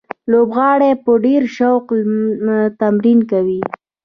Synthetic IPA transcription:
lobɣɑɽepəɖeɾʃawq | t̪amɾinkawi

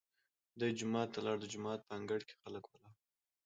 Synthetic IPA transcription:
d̪ujd͡ʒʊmɑt̪ːalɑɽd̪əd͡ʒʊmɑt̪̚pəaŋɡaɽke̥xaləkwəla

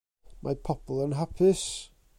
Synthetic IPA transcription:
mʔa̰pʰɔpʰlˠənɦapʰɪs

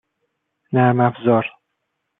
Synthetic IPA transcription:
næmæfzɒɾ

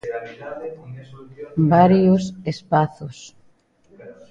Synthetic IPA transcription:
baɾjosespaθʊs

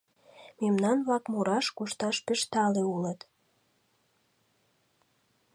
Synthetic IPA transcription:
memnɑnβlɑkmuɾɑʃkuʃt̪ɑʃpəʃt̪ɑleulət̪

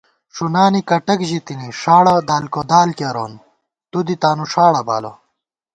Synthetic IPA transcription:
ʂunaːnikɐʈɐkʑit̪iniʂaːɽɐd̪aːlkod̪aːlkɐɾoːn | t̪ud̪it̪aːnuʂaːɽɐba̰ːlo̰

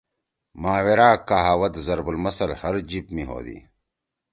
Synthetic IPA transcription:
maːweɾaːkaɦaːwɐt̪zɐɾbulmɐsɐlhɐɾd͡ʑipmiɦo̰ːd̪ḭ

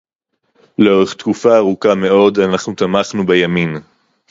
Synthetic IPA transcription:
leo̞ʁe̞χt̪kufaːʁukame̞o̞danaχnut̪amaχnubejamin

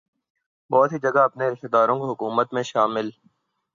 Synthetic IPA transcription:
bɔːt̪ɦid͡ʒɐɡaɐpneɾɪʃt̪d̪aːɾõkoɦʊkuːmət̪mẽʃaːmɪl

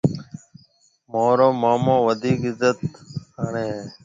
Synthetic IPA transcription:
moːɾoːmaːmõːʋəd̪ʱiːkɪzət̪əɳẽː

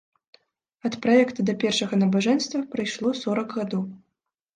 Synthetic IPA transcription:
ɐt̪pɾajɛkt̪ɐd̪ɐpʲɛrʂɐɣɐnɐbaʐɛnʲst̪vɐpɾɨjʂlˠɔsɔɾɐɡɣad̪ɔw

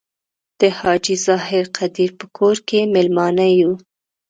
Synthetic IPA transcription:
d̪̥əhɑd͡ʒizɑhɪɾqʰad̪iɾpəkʰoɾkemɪlmɑnaju

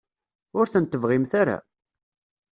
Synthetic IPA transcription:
ʊɾθənt̪ːəvʁɪmθaɾa̰

